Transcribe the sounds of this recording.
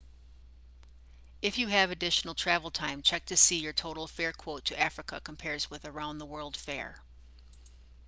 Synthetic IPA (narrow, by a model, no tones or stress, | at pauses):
ɨfjɨɨvɨdɪʃn̩l̩ˠtʰɹ̥ævl̩ˠtʰãɪ̃mt͡ʃʰɛk̚tʰɨsijə˞tʰoʊɾl̩ˠfɛɹkʰw̥oʊtʰɨʔæfɹɨkə̰kʰə̃m̩pʰɛɹzwɪðə˞ãʊ̃nðəwɜ˞lˠd̥fɛ̰ɹ